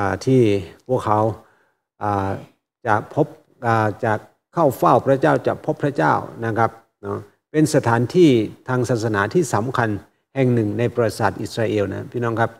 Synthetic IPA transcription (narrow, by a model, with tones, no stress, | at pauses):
a˧˩t̪ʰiː˥˩pʰu˥˩əkʰːa˨˦w | ʔaː˨˩ | t͡ɕa˨˩pʰo˦˥p̚ | ʔaː˨˩t͡ɕaː˨˩ | kʰːa˥˩wfa˥˩wpʰɾa˦˥t͡ɕaː˥˩wt͡ɕaː˨˩pʰːo˦˥pʰɾa˦˥t͡ɕaː˥˩wna˦˥˩kʰa˦˥p̚ | nɔ˧˩ | pe˧nsa˧t̪ʰaː˩˦nt̪ʰiː˥˩t̪ʰaː˧ŋsaː˨˩t̪̚sa˧naː˩˦t̪ʰiː˥˩sa˩˦mkʰa˧n | hɛː˨˩ŋnɯ˨˩ŋna˧jpɾa˧saː˨˩t̪̚ʔi˨˩t̪̚ɾaː˧ʔeː˧wna̰˦˥pʰiː˥˩nɔː˧˥˩kʰa˦˥p̚